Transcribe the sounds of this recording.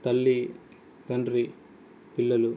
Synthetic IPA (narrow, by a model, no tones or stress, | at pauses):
t̪ɐlːi | t̪ɐɳɖɾi | pilːɐlu